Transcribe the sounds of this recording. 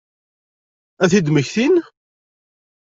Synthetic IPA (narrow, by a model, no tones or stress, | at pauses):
æθid̪məçθin